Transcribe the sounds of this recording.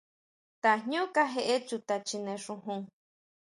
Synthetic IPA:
t̪a˨ɲũ˦ka˦ɦe˧ʔe˦t͡ʃu˧t̪a˨t͡ʃi˧nẽ˨ʂũ˧ɦũ˦˧ŋ

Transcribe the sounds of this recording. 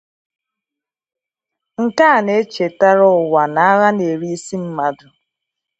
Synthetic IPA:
ŋ̩˨ka˦˨ne˦t͡ʃe˨ta˦ɾɔ˦˨wa˨na˨a˦ɣa˦ne˨ɾi˦si˦m̩˦ma˦dʊ˨

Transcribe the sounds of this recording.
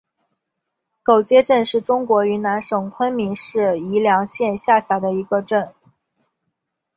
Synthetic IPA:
ko˨˩ʊt͡ɕjɛ˥ʈ͡ʂə˥˧nʂɻ̩˥˩ʈ͡ʂʊ˥ŋkwɔ˧˥y˧˥na˧˥nʂɤ˨˩ŋkʰwə˥nmi˧˥ŋʂɻ̩˥˩i˧˥ljɑ˧˥ŋɕjɛ˥˧nɕja˥˩ɕja˧˥d̪ə˧i˧˥ɡə˧ʈ͡ʂə˥˩n

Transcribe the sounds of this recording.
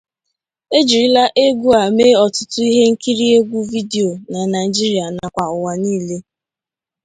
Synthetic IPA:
e˦d͡ʒi˨ɾi˦la˦ʔe˦ɡʷu˦a˨me˦ɔ˨tʊ˦tʊ˦i˦ɦe˦ŋ̩˦ki˦ɾi˦e˦ɡʷu˦vi˦de˨o˨na˨na˨i˨d͡ʒi˦ɾi˦a˨na˨kʷa˨ʊ˨wa˨niː˦˨le˦

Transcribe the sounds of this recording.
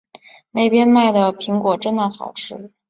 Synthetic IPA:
ne˥˩ɪpjɛ˥nma˥˩ɪd̪ə˩pʰi˧˥ŋkwɔ˨˩ʈ͡ʂə˥nd̪ə˨xɑ˨˩ʊʈ͡ʂʰɻ̩˥˩

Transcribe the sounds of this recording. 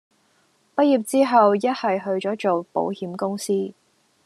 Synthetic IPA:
pɐ˥t̚jiː˨˩p̚t͡siː˥ɦɐ˨wjɐ˥t̚hɐ˨jɦɵ˧ɥt͡ʃɔː˨˥t͡ʃo˨wpo̰˨˥whiː˨˥mkʊ˥ŋsiː˥

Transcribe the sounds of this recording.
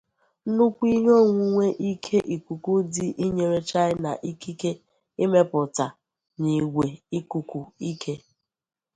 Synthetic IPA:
nu˦kʷi˦ɲ˦o˦˨ŋʷu˦ŋʷe˦ʔi˦kʰe˦ʔi˨ku˨ku˦diɪ˦ʔi˦ɲe˨ɾe˦t͡ʃa˦ɪ˦na̰˨ʔi˦ki˦ke˦ | ɪ˦me˦pʊ˨ta˨ | ni˨ɡʷe˨i˦ku˨kʷu˨i˦kʰe˦

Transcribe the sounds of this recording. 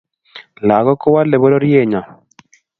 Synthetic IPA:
la˨ɣɔ˦kɔ˦wa˦le˨βo˦ɾo˦ɾje˦˨ɲa˨

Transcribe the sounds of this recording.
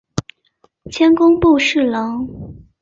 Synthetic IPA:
t͡ɕʰjɛ˥nkʊ˥ŋpu˥˧ʂɻ̩˥˩lɑ˧˥ŋ

